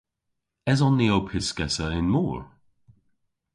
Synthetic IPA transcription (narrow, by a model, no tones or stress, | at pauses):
ɛzɔnːiowpʰɪskɛsəɪnmuːɹ